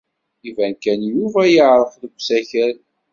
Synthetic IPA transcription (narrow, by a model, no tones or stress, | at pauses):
ivænkænjuvæjəʕɾˤəfðəɡʷsæçəɾ